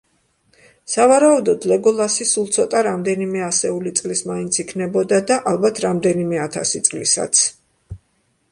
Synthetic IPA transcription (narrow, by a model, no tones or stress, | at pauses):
savaɾaud̪ɔd̪lɛɡɔlˠasisulˠt̪sʰɔt̪ʼaɾamd̪ɛnimɛasɛulit̪sʼlismaint̪sʰikʰnɛbɔd̪ad̪aʔalˠbat̪ʰɾamd̪ɛnimɛat̪ʰa̰sit̪sʼlḭsa̰t̪sʰ